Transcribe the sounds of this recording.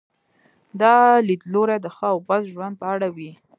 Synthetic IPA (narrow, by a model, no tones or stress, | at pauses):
d̪ɑlid̪loɾad̪əxɑawbazʒwand̪̚pəaɽawi